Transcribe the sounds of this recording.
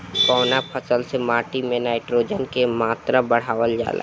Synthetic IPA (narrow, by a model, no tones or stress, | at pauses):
kɔːnapʰəsəlsemaːʈimẽnaːɪʈɾoːd͡ʒənkemaːt̪ɾabəɽ̤aːʋəld͡ʒa̰ːlʔa̰